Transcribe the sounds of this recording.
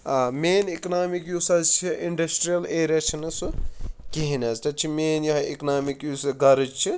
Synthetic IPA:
ɐmeːniknaːmikjusɐzt͡ʃʰiʔiɳɖɐsʈɾijɐleːɾʲɐt͡ʃʰinɨsukiɦinɐztɐt͡ʃʰimeːnjɐɦḭknaːmikjusɐɡɐɾɨd͡ʒt͡ʃʰi

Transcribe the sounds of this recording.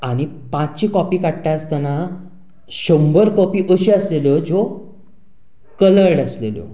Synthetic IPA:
aɽ̃ipãt͡st͡ɕiːkɔpiːkaʈʈast̪ana | ɕəmbəɾkɔpiːʔəɕiəsleləd͡zo | kələɽəslelo̰

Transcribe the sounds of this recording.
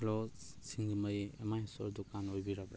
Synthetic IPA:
lo | siŋɡimɐjḛmajso̰ɾdukanojbiɾabɾe

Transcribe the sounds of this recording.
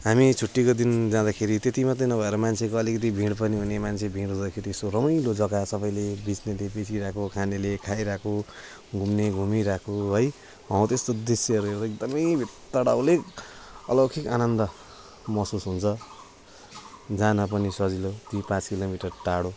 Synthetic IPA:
ɦamit͡sʰuʈːikod̪ind͡zãd̪akʰeɾit̪et̪imat̪ʌnʌbʱʌeɾʌmant͡sʰekoʌlikʌt̪̬ibʱĩɽpʌniɦunemant͡sʰebʱĩɽɦud̪akʰeɾiest̪orʌmʌjlod͡zʌɡasʌbʌjlebit͡snelebet͡siɾakʰokʰanelekʰajɾakʰo | ɡʱumneɡʱumiɾakʰoɦʌj | wãw̃t̪est̪od̪esjeɦʌɾueɾt̪ek̚d̪ʌmʌjbʱit̪ːʌɽawlekʌlʌkʰika̰nʌnd̪ʌ | mʌsusɦunt͡sʰʌ | d͡zanʌp̬ʌnisʌd͡zilot̪ipãt͡skilomiʈʌrʈaɽo

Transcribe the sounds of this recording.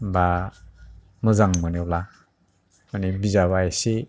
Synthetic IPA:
ba | mɯzaŋmənebla | manibizaβaese

